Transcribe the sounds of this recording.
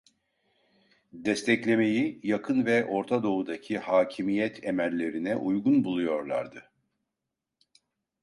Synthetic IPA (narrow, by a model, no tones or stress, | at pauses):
d̪ɛst̪ʰɛclʲe̞me̞jijakʰɯnvɛʔo̞ɾt̪ʰad̪o̞ud̪acʰihaːcʰimijɛt̪ʰemælʲːe̞ɾinɛʔujɡunbulˠujo̞ɾlˠa̰ɾd̪ɯ